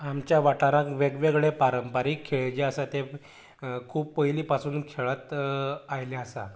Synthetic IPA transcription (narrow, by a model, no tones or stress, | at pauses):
amt͡ɕjaʋaʈaɾãkʋeɡʋeɡɭepaɾəmpaɾiːkʰːeɭd͡ʑeasat̪e | kʰuːpːəɦjliːpasuːnkʰeɭat̪ajleasa̰